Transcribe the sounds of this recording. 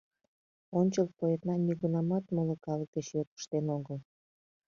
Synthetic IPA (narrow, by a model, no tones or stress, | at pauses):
onʲt͡ɕəlpoet̪nɑnʲiɣunɑmɑt̪moləkɑlək̚d̪̥et͡ɕjøt̪̚ə̥ʃt̪enoɣəl